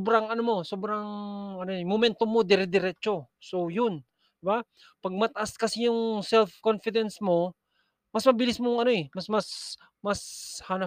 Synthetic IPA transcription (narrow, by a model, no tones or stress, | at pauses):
obɾaŋɐnomo̞sobɾaŋɐnoɛmomɛnt̪omːod̪ɪɾɪd̪ɪɾɛt͡ʃo̞sojʊn | d̪ɪba | pɐɡ̚mɐt̪ɐʔaskɐsɪjʊŋsɛlfkonfɪd̪ɛnsmo̞ | mɐsmɐbɪlɪsmoŋɐnoɛmɐsmas | mashanɐ